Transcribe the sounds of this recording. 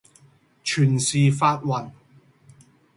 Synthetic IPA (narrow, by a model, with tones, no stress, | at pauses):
t͡ʃʰyː˨˩nsiː˨faː˧t̚wɐ˨˩n